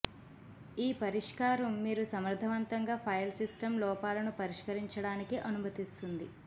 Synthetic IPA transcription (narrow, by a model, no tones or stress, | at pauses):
iːpɐɾiʂkaːɾɐmːiːɾusɐmɾd̪ʱɐʋɐnt̪ɐŋɡaːpʰɐjɐlsisʈɐmlɔːpaːlɐnupɐɾiʂkɐɾiɲt͡ʃɐɽaːnikiʔɐnumɐt̪ist̪und̪i